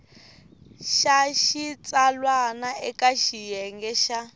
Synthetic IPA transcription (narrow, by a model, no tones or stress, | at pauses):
ʃaʃit͡salwanaɛkaʃijɛŋɡɛʃa